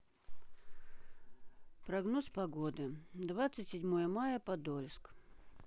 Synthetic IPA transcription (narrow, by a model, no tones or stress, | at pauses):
pɾɐɡnospɐɡod̪ɨd̪vat̪sɨtʲsʲɪdʲmojəmajəpɐd̪olʲsk